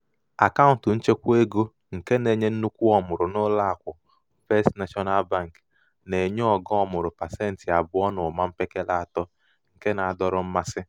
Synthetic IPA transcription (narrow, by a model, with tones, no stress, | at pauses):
a˨ka˦ʊ˨n˨tʊ˨n̩˦t͡ʃe˦kʷe˦ɡo˦ | ŋ̩˨ke˦ne˨ɲe˦n̩˦nu˦kʷu˦ɔ˦mʊ˨ɾʊ˨nʊ˦la˦a˨kʷʊ˨ | fe˦stna˦ʃɔ˦na˦lba˦˨ŋ˨k | ne˨ɲe˦ɔ˨ɡɔ˦ɔ˦mʊ˨ɾʊ˨pa˨se˦n̩˨tɪ˨a˨bʊ˦ɔ˦nʊ˨ma˦m̩˦pe˦ke˦la˦a˨tɔ˦ | ŋ̩˨ke˦na˨a˨dɔ˦ɾʊ˦m̩˦ma˦sɪ˦